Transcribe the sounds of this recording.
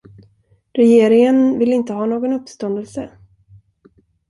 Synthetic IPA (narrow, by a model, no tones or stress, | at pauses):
ɾɛjeːɾɪŋənvɪlːɪnt̪əɦɑːnoːɡɔnɵpːst̪ɔnd̪əlsə